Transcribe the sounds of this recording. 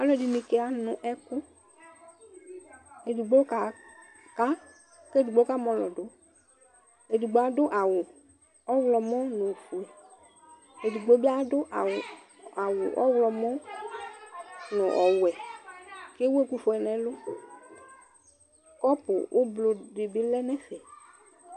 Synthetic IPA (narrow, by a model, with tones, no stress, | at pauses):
a˨lɔ˦˨di˨nĩ˨ke˦a˨nʊ̃˨ʔɛ˦kʊ˦ | e˨du˨ɡ͡bo˦ka˨ | ka˦ | kːdu˨ɡ͡bo˦ka˦mɔ̃˨lɔ˨dʊ˨˦ | e˨du˨ɡ͡bo˨˦a˨dʊ˦ʔa˨wʊ˨ | ɔ˦wlɔ˨mɔ̃˦nʊ̃˨fu˨ɛ˨ | e˨du˨ɡ͡bo˦be˦a˦dʊ˦ʔ | a˨wʊ˨ʔɔ̰˦wlɔ˨mɔ̃˦ | nʊ˨ʔɔ˨wʊ˨ɛ˨ | ke˦we˦ku˦fu˨ɛ˨nɛ̃˨lʊ˦ | kɔ˦pʊ˨wʔo˦blo˨dɪ˨bɪ˦lɛ˦nɛ̃˦fɛ˨